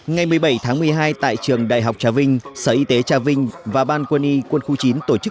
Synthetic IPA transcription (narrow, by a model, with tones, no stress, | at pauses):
ŋa˨˩jmɨ˨˩əjɓə˧˩jt̪ʰaː˨˦ŋmɨ˨˩əjɦaː˧jt̪a̰ː˧˨jt͡ɕɨ˨˩əŋɗa̰ː˧˨jɦa˨˩wk͡p̚t͡ɕaː˨˦vï˧ŋ̟səː˧˩ʔi˧t̪e˨˦t͡ɕaː˨˦vï˧ŋ̟vaː˨˩ɓaː˧nkwə˧nʔi˧kwə˧nxu˧t͡ɕi˨˦nt̪o˧˩t͡ɕɨ˦˥k̚